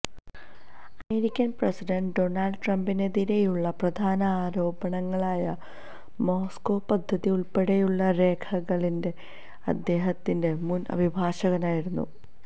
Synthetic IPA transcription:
ɐmeɾikʲːɐnprɐsidɐɳɖɖo̞nɐlɖʈrɐmbineðiɾe̞juɭːɐprɐd̪ʱaːnɐaːɾo̞ːbɐɳɐŋːɐɭaːjɐ | mo̞ːskoːpɐd̪ʱːɐðiuɭpe̞ɽejuɭːɐɾe̞ːkʰɐɣɐɭinde̞ | ɐ̰d̪ːe̞ːɦɐt̪ːinde̞munɐ̰bʱibʱaːɕɐɣɐnaːjiɾunːṵ

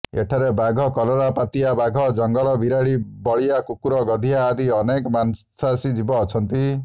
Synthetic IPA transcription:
ḛʈʰaɾebaɡʱɔkɔloɾapat̪ijabaɡʱɔd͡ʒɔŋɡɔlɔbiɾaɭibɔɭiakukuɾɔɡɔd̪ʱijaːd̪iɔnekɔmansasid͡ʒibɔːt͡ʃʰɔnt̪i

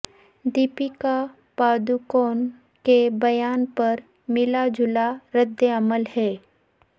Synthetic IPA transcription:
d̪iːpika | paːd̪ukoːn | kebɐjaːnpɐɾ | mɪlad͡ʒʱʊlaɾəd̪jəɐməlɦɛː

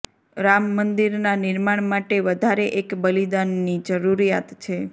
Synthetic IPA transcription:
ɾamːənd̪iɾnanɪɾmaɳ̃maʈeʋəd̪ʱaɾeʔekbəlid̪anːid͡ʒəɾuɾijat̪t͡ʃʰe

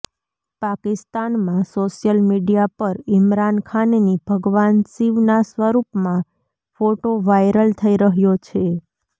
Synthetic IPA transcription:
pakɪst̪anmãsoʃjəlmiɖijapəɾɪmɾankʰannib̥ʱəɡʋansiʋnasʋəɾupmã | foʈoʋajɾəlt̪ʰəiɾəɦjot͡ʃʰe

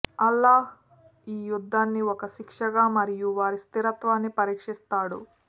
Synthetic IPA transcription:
ɐlːaːɦ | iːjud̪ʱːaːnːiɔkɐʃikʂɐɡaːmɐɾijuʋaːɾist̪iɾɐt̪ʋaːnːipɐɾiːkʂist̪aːɽṵ

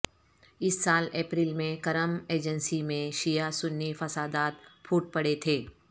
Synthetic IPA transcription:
ɪsːaːleːpɾiːlmẽkɐɾəmeːd͡ʒənsimẽʃijasʊnːifɐsaːd̪aːt̪̚pʰuːʈ̚pɐɽet̪ʰeː

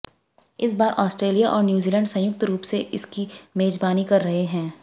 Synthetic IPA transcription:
ɪsbaːɾʔɔːsʈɾeːlijaʔɔːɾnjuːziːlɛ̃ːɳɖsɐ̃jʊk̚t̪ɾuːpseʔɪskimeːd͡ʒbaːnikɐɾːɐɦeɦɛ̃ː

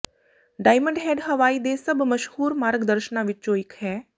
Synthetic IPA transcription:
ɖaːɪmə̃ɳɖɦɛːɖɦəʋaːiːd̪eːsəbməʃhuːɾmaːɾɡd̪əɾʃənãːʋɪt͡ʃt͡ʃõːɪkʰɦɛː

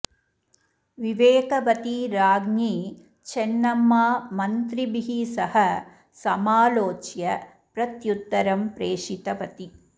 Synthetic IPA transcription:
ʋiʋeːkɐʋɐt̪iɾaːɡniː | t͡ʃenːɐmːaːmɐnt̪ɾibiɦisɐhɐ | sɐmaːloːt͡ʃjɐ | pɾɐt̪jut̪ːɐɾɐmpɾeːʂit̪ɐʋɐt̪i

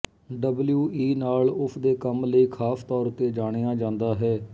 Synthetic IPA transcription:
ɖəbljuːʔiːnaːlʊsʰd̪eːkəmləiːkʰaːst̪ɔːɾt̪eːd͡ʒaːɽ̃ejaːd͡ʒãːnd̪aːɦɛː

